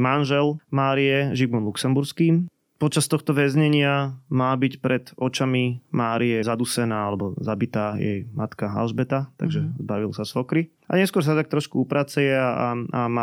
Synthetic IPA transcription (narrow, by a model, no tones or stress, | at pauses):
manʒɛlmaːɾijɛʒiɡmɔnluksɛmbuɾskiːm | pɔt͡ʃast̪ɔxt̪ɔʋɛzɲɛɲɪamaːbicpɾɛd̪ɔt͡ʃamimaːɾijɛzad̪usɛnaːalɛbɔzabit̪aːjɛ̰jmat̪kaa̰lʒbɛt̪at̪a̰ɡʒɛzbaʋilsasfɔkɾi | a̰ɲɛskʊɔɾs̬at̪t̪ak̚t̪ɾɔʃkuupɾaːt͡sɛjɛaaama